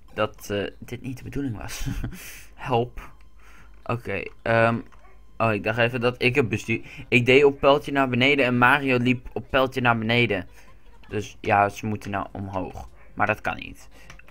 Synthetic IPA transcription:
d̥ɑtd̥ɪtnit̚dəbədulɪŋʋɑ̰s | hɛlˠp | ʔo̰kḛjʔəm | ʔoːɪɡ̚dɑχtejvədɑtɪkət̚bəstyːɪk̚dejɔppɛlˠtənaːɹbənejdəɛnmaːriolipɔpːɛlˠtənaːɹbənejdə | døsjasəmutəna̰wɔ̰mɦo̰wχ | maːɹdɑtkɑ̰nḭt

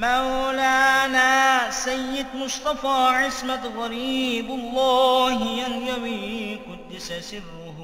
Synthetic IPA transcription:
mawlaːnaːsajːɪd̪mʊʃt̪ˤɑfaːʕɪsmat̪ɣˤɑɾiːbalˤːɑːhɪjanjawiːqʊd̪ːɪsasɪrːʊh

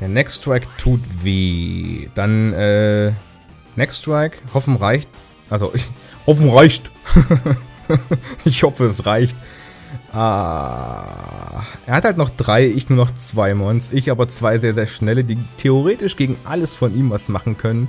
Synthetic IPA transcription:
d̥eːɐnɛkstʁ̥ɛktʰuːtv̥ḛːd̥anʔɛː | nːɛkstʁ̥ɛkhɔfn̩ʁaɪçt | ʔalzo̰ʔɪhɔfn̩ʁaɪçt | ɪçhɔfəɛsʁaɪçt | ʔa | ʔeːɐhathaltnɔχd̥ʁaɪʔɪçnuːɐnɔχt͡sv̥aɪmɔnsʔɪçʔaːbɐt͡sv̥aɪzeːɐzeːɐʃnɛlədiːtʰeoʁeːtɪʃɡ̥eːɡŋ̩ʔaləsfɔnʔiːmvasmaχn̩kʰœnən

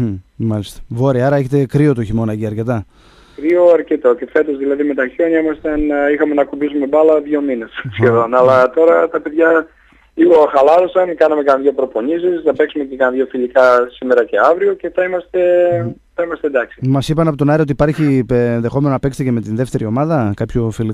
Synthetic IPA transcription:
mɐlist̪ɐ̥voɾiɐɾɐe̞çe̞t̪ekɾio̞t̪oçimo̞nɐʝiɐɾcet̪ɐ | kɾioɐɾcet̪oce̞fe̞t̪o̞zðilɐðime̞t̪ɐço̞ɲɐimɐst̪ɐnixɐme̞nɐkubisume̞bɐlɐðʝo̞mine̞ssçe̞ðo̞nɐlɐt̪o̞ɾɐt̪ɐpe̞ðʝɐ | liɣoxɐlɐɾo̞sɐnkɐnɐme̞kɐnðʝo̞pɾo̞po̞nisisnɐpe̞ksume̞cekɐnðʝo̞filikɐsime̞ɾɐce̞ɐvɾio̞ce̞θɐimɐst̪e̞θɐimɐst̪end̪ɐksi̥mɐsipɐnɐpo̞t̪onɐɾio̞t̪ipɐɾçinðe̞xo̞menonɐpe̞kst̪eceme̞t̪inðe̞ft̪e̞ɾio̞mɐðɐkɐpçofili

